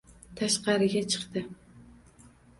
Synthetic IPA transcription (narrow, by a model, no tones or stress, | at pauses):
t̪ʰɑʃqɑɾɨɡʲɛt͡ʃʰɨ̥χt̪ɨ